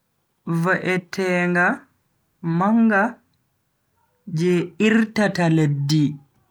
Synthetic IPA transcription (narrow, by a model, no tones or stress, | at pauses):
vaʔɛtʰɛːŋɡa | maŋɡa | d͡ʒɛiɾtataledːi